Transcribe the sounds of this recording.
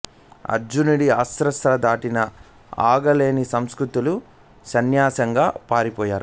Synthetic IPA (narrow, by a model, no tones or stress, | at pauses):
ɐ̰d͡ʒuniɽiasɾɐst̪ɾɐd̪aːʈinɐ | a̰ːɡɐle̞ːnisɐmskɾut̪ulu | sɐnjaːsɐŋɡaːpaːɾipɔːjaːɾu